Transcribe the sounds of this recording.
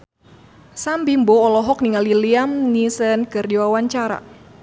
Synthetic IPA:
sambimbɔːlɔɦɔk̚niŋaliliamnisɛnkɨrdiwawaɲt͡ʃaɾa̰

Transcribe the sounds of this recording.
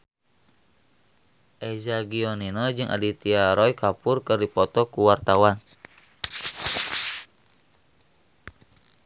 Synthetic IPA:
ʔɛzaɡiɔninɔd͡ʒɨŋʔa̰dit̪iaɾɔjkapurkɨrdipɔt̪ɔkuwart̪awan

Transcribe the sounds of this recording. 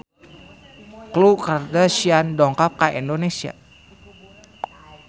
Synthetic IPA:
klukardasiandɔŋkap̚kaʔindonesia̰

